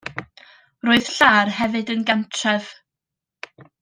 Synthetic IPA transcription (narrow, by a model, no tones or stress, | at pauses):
roːɨð̥ɬaːrhɛvɨdənɡantʰrɛv̥